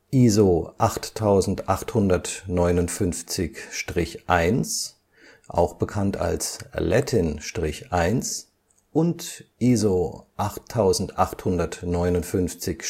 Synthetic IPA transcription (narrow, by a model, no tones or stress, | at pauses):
ʔiːzoʔaχtʰːaʊzn̩tʔaχthʊndɐtnɔʏnʊntfʏnft͡sɪçʃtʁ̥ɪçʔaɪns | ʔa̰ʊxb̥əkʰanta̰lslɛtʰɪnʃtʁ̥ɪçʔaɪns | ʔʊntʔiːzoʔaχtʰːaʊzn̩tʔaχthʊndɐtnɔʏnʊntfʏnft͡sɪç